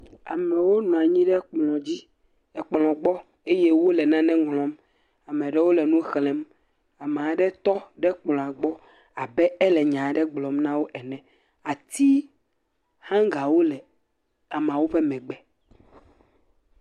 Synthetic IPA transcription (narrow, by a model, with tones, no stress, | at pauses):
a̰˨mɛ̃˨wo˦nɔ̃˨a˨ɲĩ˦ɖɛ˦k͡plɔ̃˨d͡ʑi˦ | ɛ˨k͡plɔ̃˨ɡ͡bɔ˦ | e˦je˦wo˦lɛ˨nã˦nɛ̃˦ŋlɔ̃˨m | a˨mɛ̃˨ɖɛ˦wo˦lɛ˨nũ˦xlɛ̃˨˦m | a˨me˨a˨ɖɛ˦t̪ɔ˦ɖɛ˦k͡plɔ̃˨a˨ɡ͡bɔ˦ | a˨bɛ˦ɛ˦lɛ˨ɲã˨ɖɛ˦ɡ͡blɔ˨mnã˦wo˦ʔɛ˨nɛ̃˨ | a˨t̪i˦ | hã˦ŋɡa˨wo˦lɛ˨ | a˨m̃˨a˨wo˦ɸe˦mɛ̃˨ɡ͡bɛ˦